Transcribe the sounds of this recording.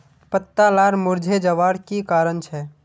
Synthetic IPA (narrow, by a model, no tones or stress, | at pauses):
pət̪ːalaɾmuɾd͡ʒʱed͡ʒəʋaɽkikaɾənt͡ʃʰɛ